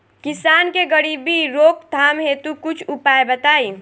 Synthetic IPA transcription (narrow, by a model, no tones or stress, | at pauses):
kisaːnkeɡəɽibiɾoːkt̪ʰaːmɦet̪ukʊt͡ʃʰupaebət̪aːi